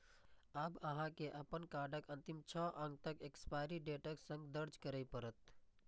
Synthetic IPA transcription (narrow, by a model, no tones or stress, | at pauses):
əbəɦãkeʔəpənkaɾɖəkənt̪imt͡ʃʰɔʔə̃ŋɡ̚t̪əkekspajɾiɖeʈəksə̃ŋɡd̪əɾd͡ʒkəɾəjpəɾət̪